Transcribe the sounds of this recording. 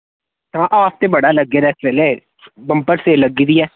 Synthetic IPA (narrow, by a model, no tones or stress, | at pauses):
ɦãːʔaːp̚t̪eːbəɽaːləɡːeːɾɛːsʋɛːleː | bəmpəɾseːləɡid̪iːɛː